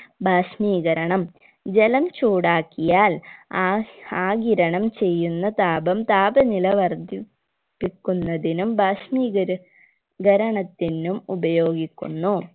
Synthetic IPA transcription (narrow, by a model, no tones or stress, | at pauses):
bʱaːʂmiːɡɐɾɐɳɐm | d͡ʑelɐmt͡ɕuːɽaːkːijaːl | aːɡiɾɐɳɐmt͡ɕe̞jːunːɐt̪aːbɐmt̪aːbɐnilɐʋɐrd̪ʱi | pːikʲːunːɐðinumbʱaːʂmiːɡɐɾ | ɡɐɾɐɳɐt̪ːinumubɐjo̞ːɡikʲːṵnːu